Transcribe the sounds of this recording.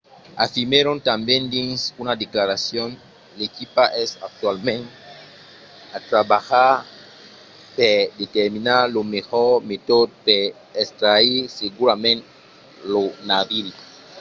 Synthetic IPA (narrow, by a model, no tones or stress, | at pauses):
afimeɾõnt̪ambjẽnd̪ĩnsunad̪eklaɾasjon | lekipaʔɛsa̰k̚t̪walmẽnt | at̪ɾabaxa | ped̪et̪eɾminalomexɔɾmet̪od̪̚pe | est̪ɾaiseɡuɾamẽnt | lonavili